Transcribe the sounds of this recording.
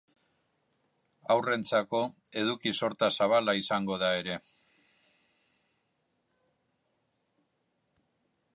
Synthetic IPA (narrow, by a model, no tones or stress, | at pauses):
awre̞nt͡sako̞ | e̞ðukiso̞ɾt̪asaβ̞alaisaŋɡo̞ð̞ae̞ɾe̞